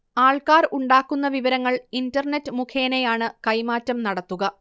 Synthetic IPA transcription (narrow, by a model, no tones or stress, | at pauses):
aːɭkaːruɳɖaːkːunːɐʋiʋɐɾɐŋːɐɭindɐrɳetːɨmukʰe̞ːnejaːɳɨkɐjmaːtːɐmnɐɽɐt̪ːuɣɐ